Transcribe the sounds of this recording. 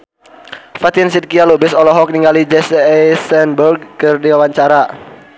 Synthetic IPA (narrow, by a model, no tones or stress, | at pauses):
fat̪insid̪̚kialubɪsɔlɔɦɔk̚niŋɡalid͡ʒɛsɛsɛnburɡ̚kɨrdiwawaɲt͡ʃaɾa